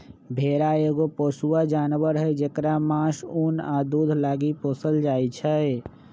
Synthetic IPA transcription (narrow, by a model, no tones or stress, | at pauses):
bʱeɾaeɡopoːsuwad͡ʒaːnʋəɾɦəd͡ʒekɾamãsunad̪ud̪ʱlaɡipoːsəld͡ʒajt͡ʃʰə